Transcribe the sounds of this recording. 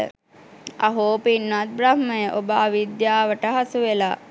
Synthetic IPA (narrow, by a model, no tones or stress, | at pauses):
ə̰ | aɦoːpinːat̪̚bɾahməjəʔobəaʋid̪jaːʋəʈəɦasuʋelaː